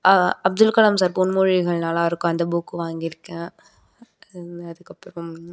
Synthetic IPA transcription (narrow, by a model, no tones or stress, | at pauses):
ɐɐb̚d̪ʊlkɐlɐmsaːɾpʊnmʊɻɪɣɐɭnaːlaːɪɾɯkːʊ̃ɐnd̪ɐbuːkːɯʋaːŋɡɪɾɯkːẽ | ɐðɯkːɐpːɾɔ̃m